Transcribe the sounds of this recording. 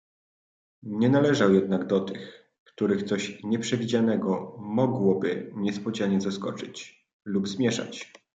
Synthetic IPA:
ɲɛnalɛʐawjɛd̪̚naɡd̪ɔt̪ɘx | kt̪uɾɘxt̪sɔɕɲɛpʂɛvʲid͡ʑanɛɡɔmɔɡwɔbɘ̰ɲɛspɔd͡ʑaɲɛzaskɔ̰t͡ʂɘt͡ɕ | lubzmʲjɛʂa̰t͡ɕ

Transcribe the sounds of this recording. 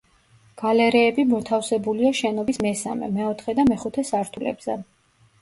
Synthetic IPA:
ɡ̥alɛɾɛːbimɔt̪ʰafsɛbuliaʃɛnɔbismɛsa̰mɛ̰mɛɔt̪ʰχɛd̪amɛχut̪ʰɛsaɾt̪ʰulɛ̰bz̥ɛ̰

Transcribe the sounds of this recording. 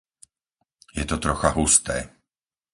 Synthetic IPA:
jɛt̪ɔt̪ɾɔxaɦust̪ɛː

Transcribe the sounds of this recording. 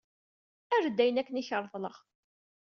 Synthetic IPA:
æɾd̪ːæjənækːəniçəɾˤðˤləʁ

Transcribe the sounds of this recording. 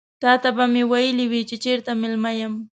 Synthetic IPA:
t̪aːt̪apamɪwajɪlɪwit͡ʃɪt͡ʃɪɾt̪amɪlmajam

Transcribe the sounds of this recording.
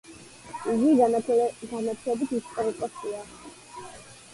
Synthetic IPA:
iɡi | ɡanat̪ʰilɛbit̪ʰist̪ʼɔɾikʼɔst̪ʼia

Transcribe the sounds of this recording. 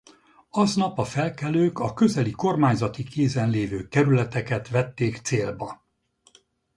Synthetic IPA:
ɒznɒpɒfɛlkɛløːkɒkø̞zɛliko̞rmaːɲzɒt̪ikeːzɛnleːvøːkɛɾylɛt̪ɛkɛt̪ʋɛt̪ːeːkt̪seːlbɒ

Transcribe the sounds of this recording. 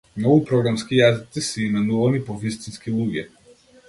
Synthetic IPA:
mnɔɡupɾɔɡɾamskijazit̪sisɛimɛnuvanipɔvist̪inskilˠuɡɛ

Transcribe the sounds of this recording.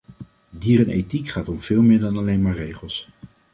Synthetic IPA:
diːɾɛnʔḛjtikχaːtɔmv̥ɪːlˠmɪːɹdɑnɑlejnmaːɹrejχəlˠs

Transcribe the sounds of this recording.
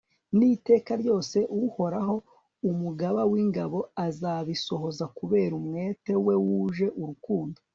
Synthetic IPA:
nite̞ːkaɾɟo̞ːse̞ʔuho̞ɾaɦo̞ | umuɡaβawiŋɡaβo̞azaβiso̞ɦo̞zakuβe̞ːɾumŋe̞ːte̞we̞wuʒe̞ʔuɾukuːndo

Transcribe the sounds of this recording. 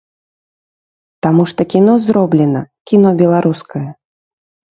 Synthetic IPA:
t̪amuʂt̪ɔkʲinɔzɾɔblʲɛnɐkʲinɔbʲɛlˠaɾuskɐjɐ

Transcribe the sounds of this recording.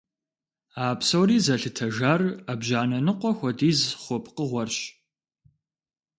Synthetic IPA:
aːpsɐwriːzɐɬɨtʰɐʒaːrɐbʒaːnɐnɨqʷɔxʷɔdiːzχʷɔp̚ʰʼqəʁʷɔrɕ

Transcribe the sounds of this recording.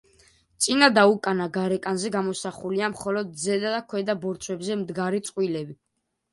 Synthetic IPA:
t̪sʼinad̪aukʼanaɡaɾɛkʼanzɛɡamɔsaχuliamχɔlɔd̪̚zɛd̪ad̪akʰwɛd̪abɔɾt̪sʰwɛbzɛmd̪ɡaɾit̪sʼqʼwilɛbi

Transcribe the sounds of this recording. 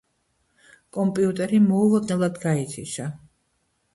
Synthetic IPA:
kʼɔmpʼiut̪ʼɛɾimɔulˠɔd̪nɛlˠad̪ɡait̪sʰḭʃa

